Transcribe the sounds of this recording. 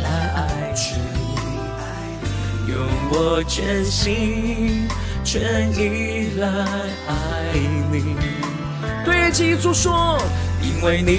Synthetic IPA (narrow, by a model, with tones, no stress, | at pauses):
la˧˥ɪa˧ɪʈ͡ʂ̩ʰ˧ | la˧˩ | jo˧˩ŋwɔ˧˩t͡ɕɛ˧˥nɕi˥ | t͡ɕʰɥɛ˧˥nli˧˦la˧ɪ | a˧˥ | ɪni˧ | t̪we˥˩ɪt͡ɕi˥˩˥t͡su˥ʂwɔ˥˩ | i˥nwe˥˩ɪni˨˧